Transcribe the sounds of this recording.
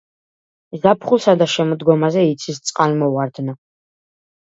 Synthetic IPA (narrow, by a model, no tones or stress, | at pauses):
zapʰχusad̪aʃɛmɔd̪ɡɔmazɛit̪sʰist̪sʼqʼalmɔwaɾd̪nɔ